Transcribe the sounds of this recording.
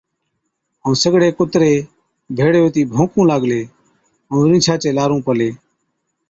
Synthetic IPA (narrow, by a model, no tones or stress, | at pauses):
əːsəɡɽeːkʊt̪ɾeː | bʱeːɽjoːt̪iːbʱõːkũːlaːɡleː | əɾĩːt͡ʃʰaːt͡ʃeːlaːɾũːpəleː